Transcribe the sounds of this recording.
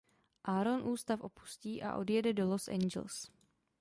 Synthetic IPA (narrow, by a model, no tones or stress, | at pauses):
ʔaːɾo̞nʔuːst̪afʔo̞pu̥sciːʔa̰ʔo̞̰djɛdɛdo̞lo̞sʔɛ̰nd͡ʒɛ̰ls